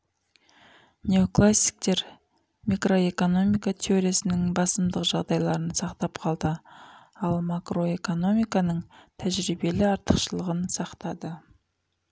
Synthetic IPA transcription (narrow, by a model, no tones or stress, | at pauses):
nʲe̞o̞klˠasʲːi̥k̚t̪e̞ɾ | mikro̞e̞ko̞no̞mijkat̪ʰeo̞ɾijasɪnɪŋbɑsəmd̪əqʒɑʁd̪ɑjlˠɑɾənsɑqt̪ɑpqʰɑlˠd̪ə | ɑlˠmakro̞e̞ko̞no̞mijkɑnəɴt̪ʰæʒɾibe̞lɪɑɾt̪əqʃəlˠəʁənsɑqt̪ɑd̪ə